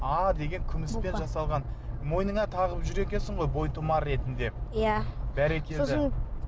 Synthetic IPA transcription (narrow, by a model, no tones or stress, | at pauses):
ɑd̪e̞ɡʲe̞ŋkʲʰʏmɪspe̞nʒɑsɑlˠʁɑnmo̞jnəɴɑt̪ʰɑʁəpʒʏɾe̞kʲe̞nsɪɴʁo̞jbo̞jt̪ʰʊmɑɾːe̞t̪ɪnd̪e̞jab̥æɾe̞kʲed̪ɪ